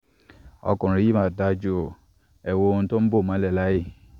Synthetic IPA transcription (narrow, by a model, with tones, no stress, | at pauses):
ɔ̰˧kũ˨ɾ̃ĩ˨˧ji˦mã˦˨da˧d͡ʒo˦˨ | ɛ˨wo˧o˧ũ˧to˦bo˦˨mã˨˦lɛ˦˨la˦je˦˨